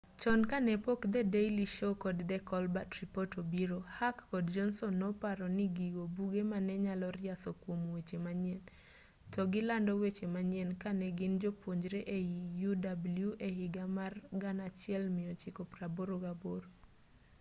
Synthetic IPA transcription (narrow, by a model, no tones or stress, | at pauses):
t͡ʃɔnkanɛpokd̪ɛdejliʃokɔdd̪ɛkɔlbatripɔtobiɾohakːɔdd͡ʒɔnsɔnːɔpaɾɔnɪɡiɡobuɡemanɛɲalɔɾɪasɔkwomwet͡ʃemaɲɪɛn | tɔɡɪlandɔwet͡ʃemaɲɪɛnkanɛɡɪnd͡ʒopwoɲd͡ʒɾeʔeijudabljuʔehɪɡamarɡanat͡ʃɪɛlmɪjɔt͡ʃɪkopraboɾoɡaboɾo